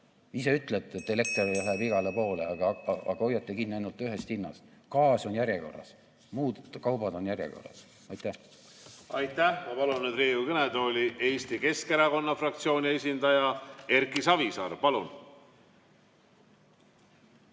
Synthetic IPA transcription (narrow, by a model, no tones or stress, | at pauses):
iseyt̪ˑlet̪ːˑet̪ːˑele̞k̚t̪oræɦæbiɡɑle̞po̞ːle̞ɑɡ̥ɑɑ̰ɡ̥ɑojːɑt̪ːˑekinːiɑjnult̪ːˑyɦe̞st̪hinːɑ̰st̪kɑːso̞njæɾʲjeko̞̰rɑ̰s | muːd̪kɑwbɑd̪o̞njærʲjḛko̞̰rɑ̰s | ɑjt̪ːˑæh | ɑjt̪ːˑæhmɑpɑlunːed̪reːjukened̪o̞lʲiʔe̞ːsʲt̪ike̞skeɾɑko̞nːɑfrɑkt̪sio̞ːnʲie̞sʲind̪̥ɑjɑe̞ɾkisɑvisɑɾpɑlun